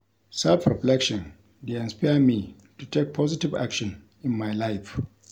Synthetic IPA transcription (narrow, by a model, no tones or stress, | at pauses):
sɛlfɹɛflɛkʃɔ̃n | deɛ̃nspajmi | tutʰek̚pʰɔzɪtɪva̰kʃɔ̃n | ʔɪnmajlajf